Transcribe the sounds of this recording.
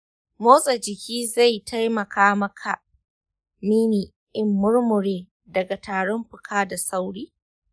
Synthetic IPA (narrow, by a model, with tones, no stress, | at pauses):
moː˦sʼɐ˨d͡ʒɪ˨kʲʰiː˦za˦˨jtʰa˦jmɐ˨kʰaː˦mɐ˦kʰa˨ | miː˦niː˨ | ʔɪ˦mːʊ˦ɽmʊ˨ɽeː˦ | dɐ˨ɡa˨taː˨ɽɔ˦mɸʊ˨kʰaː˦da˨sa˦wɽiː˦